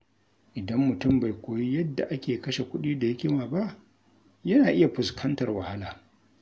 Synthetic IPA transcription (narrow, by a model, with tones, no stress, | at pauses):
ʔɪ˨dɐ˦mːʊ˨tʊ˦mba˨jkʷoː˨ji˦jɐ˦dːa̰˨ʔa˦kʲeː˨kɐ˦ʃe˨kʷʊ˦ɗiː˦da˨jɐ˦kʲɪ˦waː˨ba˦ʔ | jɐ˦naː˨ʔɪ˦ja˨ɸʊ˨skʰɐ˦ntɐ˨rwɐ˨ha˦laː˨